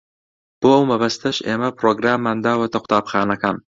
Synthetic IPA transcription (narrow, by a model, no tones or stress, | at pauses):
b̥oːɐwmɐbɐst̪ʰɐʃʔḛːmɐpɾoːɡɾaːmːaːnd̪aːwɐt̪ʰɐqʰʷʊ̥t̪ʰaːbxaːnɐkaːn